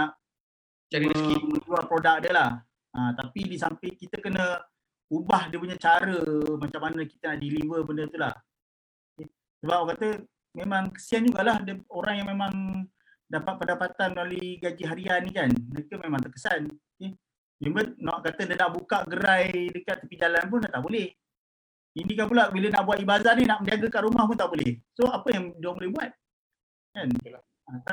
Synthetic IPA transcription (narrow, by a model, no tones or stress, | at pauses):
naʔ | t͡ʃaɾiiməd͡ʒualpɾodak̚dəlah | ãt̪apidisampiʔkit̪əkənə | ubahdiəpuɲat͡ʃaɾəmat͡ʃamːanəki̥t̪ənaʔdilivəbəndət̪ula̰h | oke | səbap̚akat̪ə | memaŋkə̥siand͡ʒuɡaʔlahdəoɾaŋjaŋmemãŋ | dapat̪̚pəndapat̪anməaluiɡad͡ʒiɦaɾianikanməɾekəmemãŋt̪əkəsanoke | jəŋbənnaʔkat̪ədənaʔbukaʔɡəɾajdəkat̪̚ːapid͡ʒalanp̬ʊndat̪aʔbolɛh | inikanp̬ulabilənaʔbuat̪̚ibazahninaʔməndiaɡəkanɾumahpʊnt̪aʔbolɛhsoapəjaŋduaŋbolɛhbuat̪̚ | kant̪ka | at̪a